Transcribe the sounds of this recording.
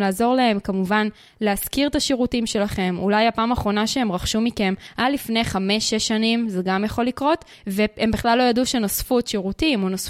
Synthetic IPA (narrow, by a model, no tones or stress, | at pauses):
laːzo̞ʁlae̞mkamuvan | leaskiʁt̪aʃeʁutimʃe̞laχe̞mṵlajapaːmaːχʁo̞naʃeemʁaχʃumike̞mʔadlifne̞jχame̞ʃːeʃːanimzeɡamjaχo̞likʁo̞t | veembiχlalːo̞jaduʃeno̞sfut̪ʃeʁutimonos